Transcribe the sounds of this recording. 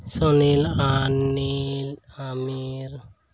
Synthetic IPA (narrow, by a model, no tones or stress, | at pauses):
sɔnilanilamiɾ